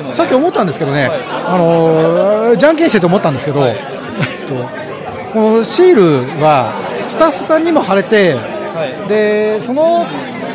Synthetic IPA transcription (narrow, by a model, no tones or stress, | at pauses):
sakʲːio̞mo̞t̪ːãnd̪e̞sɨ̥ke̞d̪o̞ne̞ano̞ | d͡ʑãŋk̬ʲẽɕt̪et̪omo̞t̪ːãnd̪esɨke̞d̪o̞ | et̪ːo̞ | ko̞no̞ɕiːɾɯ̟βa | sɨ̥t̪aɸːɯ̟sãɲ̟ːimo̞haɾe̞t̪e̞ | d̪e̞sono̞